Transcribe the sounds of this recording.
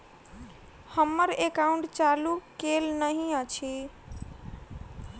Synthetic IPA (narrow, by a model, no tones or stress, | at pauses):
hʌmːʌɾekauɳʈt͡ʃalukelnʌɦĩʌt͡ʃʰi